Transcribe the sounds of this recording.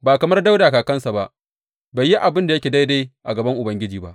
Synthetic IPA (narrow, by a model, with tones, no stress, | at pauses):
baː˨kɐ˨mɐ˦rda˦wdaː˨kaː˨kɐ˦nsa˨ba˦ʔ | ba˨jːi˦ʔa˨bɪ˦nda˨jɐ˦kʲeː˨da˦jde˦ʔa̰˨ɡɐ˨bɐ˦ŋʔʊ˨bɐ˦ŋɡʲɪ˦d͡ʒiː˨ba̰˦ʔ